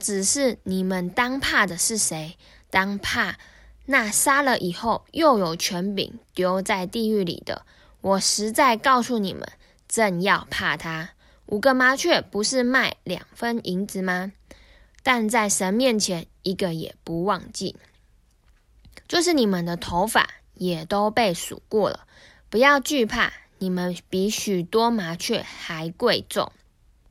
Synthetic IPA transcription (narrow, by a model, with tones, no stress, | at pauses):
ʈ͡ʂɻ̩˨˩ʂɻ̩˥˩ni˨˩mə˨nt̪ɑ˥ŋpʰa˥˩d̪ə˨ʂɻ̩˥˩ʂe˧˥ɪ | t̪ɑ˥ŋpʰa˥˧ | na˥˩sa˥lə˨ʔi˨˩xo˥˩ʊjo˥˩ʊjo˨˩ʊt͡ɕʰɥɛ˧˥npḭ˨˦ŋt̪jo˧˥ʊt͡sa˥˧ɪt̪i˥˧y˥˩lḭ˨˩d̪ə̰˦ | wʔɔ˨˩ʂɻ̩˧˥t͡sa˥˧ɪkɑ˥˧ʊsu˥˩nḭ˨˩mʔə̰˨˦n | ʈ͡ʂə˥˧njɑ˥˧ʊpʰa˥˩t̪ʰa˥ | ʔu˨˩ɡə˦ma˧˥t͡ɕʰɥɛ˥˩pu˧˥ʂɻ̩˥˧ma˥˩ɪljɑ̰˨˩ŋfə˦˥nʔi˧˥ŋt͡sɹ̩˧˩ma˨ | t̪a˥˧nt͡sa˥˩ɪʂə˧˦nmjɛ˥˨nt͡ɕʰjɛ˧˦ni˧˥ɡə˨jɛ̰˨˩pu˧˦wɑ˥˧ŋt͡ɕḭ˥˩ | t͡ɕjo˥˧ʊʂ̬ɻ̩˥˩ni˨˩mə˨nd̪ə˨t̪ʰo˧˥ʊfa̰˨˩˦ | jɛ˨˩t̪o˥ʊpe˥˩ɪsṵ˨˩kwɔ˥˩lə̰˩ | pu˧˥jɑ˥˧ʊt͡ɕy˥˧pʰa̰˥˩ni˨˩mə˦npi˧˥ɕy˨˩t̪wɔ˥ma˧˥t͡ɕʰɥɛ̰˥˩xa˧˥ɪkwe˥˧ɪt͡sʊ̰˥˨ŋ